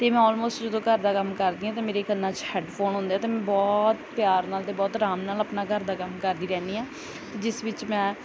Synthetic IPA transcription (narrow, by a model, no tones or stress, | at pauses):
t̪eːmɛ̃ːɔːlmoːsʈd͡ʒəd̪õːkəɾd̪aːkəmkəɾd̪ĩːãːt̪ãːmeːɾeːkənːãːt͡ʃhɛːɖpʰoːnɦʊ̃nd̪eaːt̪eːmɛ̃ːbɔːt̪pjaːɾnaːld̪eːbɔːt̪ɾaːmnaːləpnaːkəɾd̪aːkəmkəɾd̪iːɾɛ̃ːnd̪iːãː | t̪eːd͡ʒɪsʋɪt͡ʃmɛ̃ː